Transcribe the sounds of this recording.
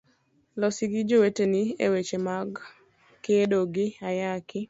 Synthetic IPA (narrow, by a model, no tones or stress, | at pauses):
lɔsiɡid͡ʒoweteniḛwet͡ʃemaɡ | kɪedoɡɪajakɪ